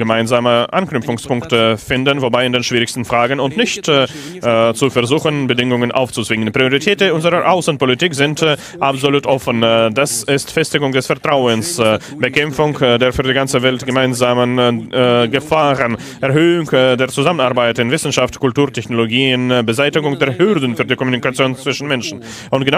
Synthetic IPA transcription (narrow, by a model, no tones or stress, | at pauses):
ɡ̥əmaɪnzaːməʔanknʏpp͡fʊŋspʊŋktəfɪndənvobaɪɪndeːnʃviːʁɪçstn̩fʁ̥aːɡənʊntnɪçt | t͡sufɛɐzuːxənbədɪŋʊŋənʔa̰ʊft͡sut͡sv̥ɪŋənpʁ̥ioʁitʰɛːtənʊnzəʁɐʔaʊsn̩politiːkz̥ɪnt | ʔapzoluːtʔɔfəndasɪstfɛstɪɡʊŋdɛsfɛɐtʁ̥aʊənsb̥əkʰɛmfʊŋdeːɐfyːɐdiɡant͡səvɛltɡ̥əmaɪnzaːmən | ɡəfaːʁən | ʔɛɐɦøːʊŋdeːɐt͡suzamənaɐbaɪtɪnvɪsn̩ʃaftkʰʊltuːɐtʰɛçnoloɡiːənbəzaɪtɪɡʊŋd̥eːɐhʏʁdn̩fyːɐdiːkʰɔmunikat͡sjoːnt͡sv̥ɪʃn̩mɛnʃn̩ | ʔʊntɡ̥əna